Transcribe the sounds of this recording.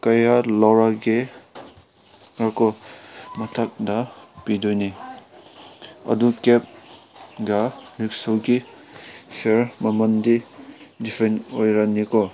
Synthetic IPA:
kɐjalawɾaɡe | ɾakɔmɐtʰak̚dɐpidojni | ɐ̰dukep̚ɡaɾik̚soɡi | pʰeɾmɐmɐndidipʰenojɾanikɔ

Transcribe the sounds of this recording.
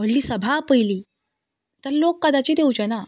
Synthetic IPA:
əllːiːsəbʱapəjliː | t̪əɾlokːəd̪at͡ɕiːd̪ewt͡ɕana

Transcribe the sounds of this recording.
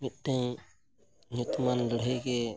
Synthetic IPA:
mit̪̚ˀt̪ɛŋ | ɲut̪manlɔɽɦəjɡɛ

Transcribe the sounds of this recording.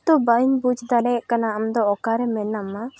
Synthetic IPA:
t̪ɔbaimbud͡ʒd̪alɛɛʔkanaːmd̪ɔɔkaɾɛmɛnːama

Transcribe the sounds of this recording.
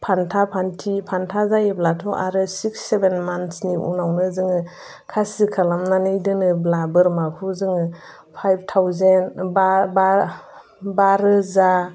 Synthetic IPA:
pʰantʰapʰantʰipʰantʰazajiblatʰɔʔa̰ɾɯsiksːebenmansniʔṵnawnɯzɯŋɯ | kʰasikʰalamnanɯjdɯnɯblabɯɾmakʰuzɯŋɯ | pʰajb̚tʰawzenbaba | baɾɯza

